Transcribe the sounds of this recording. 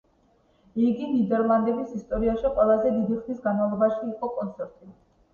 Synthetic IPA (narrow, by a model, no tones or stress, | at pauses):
iɡinid̪ɛɾlˠand̪ɛbisist̪ʼɔɾiaʃɛqʼwɛlˠazɛd̪id̪iχmisɡanmavlˠɔbaʃiːqʼɔkʼɔnt̪sʰɛɾt̪ʼi